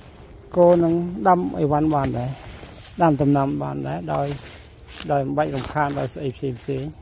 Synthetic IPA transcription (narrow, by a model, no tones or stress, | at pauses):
koːnɨŋɗamʔə̰ʋanɓaːnɗaɛɗamt̪umnamɓa̰ːnɗaɛɗaɔj | ɗaɔjmɓac̚rumkʰaːnɗaɔjsʔəjpʰseːmpt̪eːɲ